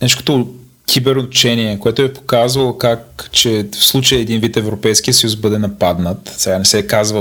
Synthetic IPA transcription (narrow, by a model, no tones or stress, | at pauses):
nɛt͡ʃko̥t̪o | kʲʰibɛɾnot̪t͡ʃɛniɛkoɛt̪ʊɛpo̥kazvɐlˠokakt͡ʃɛfslˠut͡ʃəjəːd̪invit̪ɛvɾopɛjsk̟iəsəjusbɤd̪ɛnɐpad̪nət̪sɛɡanɛsɛkazvə